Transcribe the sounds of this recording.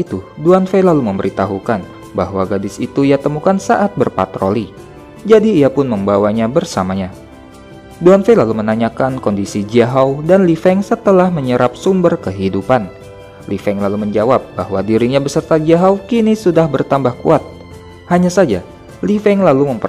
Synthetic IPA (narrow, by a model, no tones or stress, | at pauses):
it̪uduanfelaluməmbəɾit̪aɦukan | baɦwaɡadɪsit̪uiat̪əmukansaʔat̪̚bərpa̰t̪ɾoli | d͡ʒadiːapʊnməmbawaɲabərsamaɲa | duanfelalumənaɲakankɔndisid͡ʒaɦawdanlifɛŋsət̪əlahməɲəɾʔap̚sumbərkəɦidupan | lifɛŋlaluməɲd͡ʒawap̚bahwadiɾiŋɲabəsərt̪ad͡ʒaɦawkinisudahbərt̪ambahkuat̪̚ | haɲasad͡ʒa | lifɛŋlaluməmpə